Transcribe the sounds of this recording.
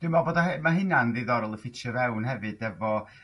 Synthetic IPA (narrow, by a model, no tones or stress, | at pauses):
d̥wɪmaboːdaɛmaɦɪnanðɪðɔɾɔlˠəfɪt͡ʃəvɛwnhɛvɨdɛvɔ